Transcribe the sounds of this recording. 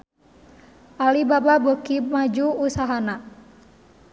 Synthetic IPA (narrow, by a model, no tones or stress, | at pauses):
ʔalibababəkimad͡ʒuːsaɦana